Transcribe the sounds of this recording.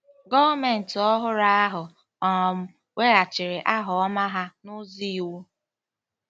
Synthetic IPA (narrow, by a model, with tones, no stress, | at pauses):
ɡɔ˦vme˨n̩˨tɔ˦ɦʊ˦ɾa˦a˦ɦʊ˨ | ɔ˨m̩˦ | we˦ɾa˨t͡ʃɪ˨ɾɪ˨ʔa˦ɦʊ˨ɔ˦ma˦ɦa˦nʊ˦zi˦˨wu˦